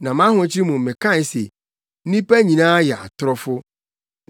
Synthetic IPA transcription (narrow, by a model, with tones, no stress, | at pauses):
nã˨mã˦hʊ̃˨˦t͡ɕʰɪ˦ɾi˦mũ˨m˨mɪ̃˨kʰã˦˨n˨˦se˨˦ | nĩ˦pæ˦ɲĩ˨nãː˦jɛ˨a̰˨tʰʊ˨ɾɔ˦fʊ˦